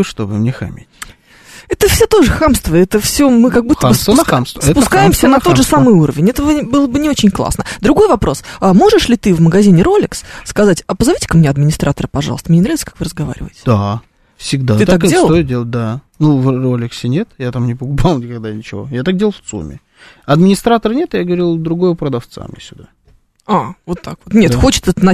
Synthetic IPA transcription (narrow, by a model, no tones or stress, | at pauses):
ʂt̪obɨ̰mnʲexɐ̰mʲḛtʲ | ɛt̪əfsʲot̪o̞ʐɨxamst̪vəɛt̪əfsʲomɨkaɡ̚but̪ːəbəsamst̪sɛpʊskajɪmsʲənɐo̞d̪ʐɨsamɨjuɾəvʲɪnʲɛt̪əvəbɨlˠəbɨnʲɪo̞t͡ɕɪnʲklˠa̰snəd̪ɾʊɡo̞jvɐpɾo̞samo̞ʐɨʂlʲɪt̪ɨvməɡɐzʲinʲɪɾo̞lʲɪksskɐzatʲɐpəzɐvʲitʲɪ̥kəmnʲeɐd̪mʲɪnʲɪst̪ɾʔat̪əɾəpɐʐɑ̰st̪əmnʲenɾavʲɪt̪sə̥kḁkvɨɾəzɡɐva̰ɾʲɪvə̰ɪtʲɪ̥d̪a | fsʲɪɡd̪at̪ɨakdʲeət̪ojɪt̪̚dʲelˠət̚ʲd̪a | nuvrolʲɪksʲɪnʲe̞t̪jat̪amnʲɪpəkʊpalˠnʲɪkaɡ̚d̪anʲɪt͡ɕɪvo̞̰jat̪ak̚dʲelˠft̪sṵmʲɪ̰ | ɐd̪mʲɪnʲɪst̪ɾat̪əɾənʲet̪jaɡəvɐɾʲilˠd̪ɾʊɡo̞jəpɾəd̪ɐft̪sa̰mjḛsʲʊd̪a | avo̞t̪ːakvot̪nʲet̪xo̞t͡ɕɪ̥t̪ɛt̪ənɐ